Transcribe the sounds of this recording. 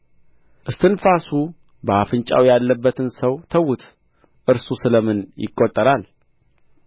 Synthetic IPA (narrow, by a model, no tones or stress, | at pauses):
ʔɨst̪ʰɨnfasu | bəafɨnt͡ʃʼa̰wjalːəbːət̪ʰɨnsəwt̪ʰəwːʊt̪ʰ | ʔɨɾsusɨləmɨnjɪ̰kʼːot̪ʼːəɾal